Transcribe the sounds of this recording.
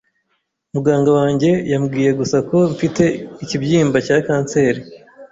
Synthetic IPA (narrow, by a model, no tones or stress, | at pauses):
umuɡaːŋɡawaːɲɟe̞jamɡiːje̞ɡusako̞mfite̞icibjiːmbacakaːnse̞ːɾi